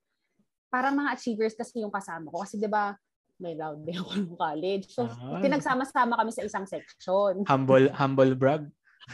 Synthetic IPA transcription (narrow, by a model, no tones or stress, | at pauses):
paːɾɐŋmɐŋaʔɐt͡ʃiːvɛɹskɐsɛjʊŋkɐsaːmɐko̞kɐsɛd̪ɪba | mɐjlawd̪̚bɛkojʊŋkaːlɛd͡ʒsot̪ɪnɐɡ̚saːmɐsaːmɐkɐmɛsɐʔɪsaŋsɛkʃonhambolhambolbɹaɡ̚